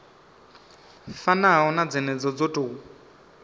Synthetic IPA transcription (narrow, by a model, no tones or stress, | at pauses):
fanaɦɦɔnad͡zɛnɛd͡zɔd͡zotʼuu